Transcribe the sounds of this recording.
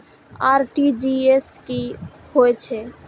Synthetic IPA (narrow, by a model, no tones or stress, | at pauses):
aɾʈid͡ʒieski | hoet͡ʃʰɛ